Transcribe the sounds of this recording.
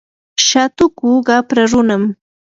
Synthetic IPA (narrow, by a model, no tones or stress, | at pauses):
ʃat̪ʊkʊɢapɾaɾʊnam